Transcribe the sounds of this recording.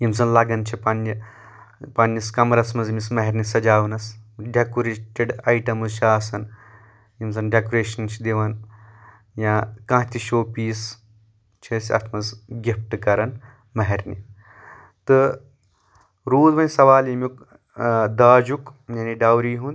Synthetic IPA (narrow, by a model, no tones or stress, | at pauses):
jimzɐnlɐɡɐnt͡ʃʰipɐnːi | pɐnːiskɐmɾɐsmɐzmismɐɦeɾʲnisɐd͡ʒaːʋɐnɐsɖekoɾeʈʲeɖɐjʈɐmuzʃʰaːsɐn | jimzɐnɖekoɾeːʃɐnt͡ʃʰid̪iʋɐn | jãːkãːɦt̪iʃoːpiːs | t͡ʃʰisʲɐ̰t̪ʰmɐzɡʲip̚ʈɨkɐɾɐn | mɐɦɐɾʲnḭ | t̪ɨ | ɾuːd̪ʋɐnʲsɐʋaːljimjuk | d̪aːd͡ʒukjɐniɖɐwɾiːɦun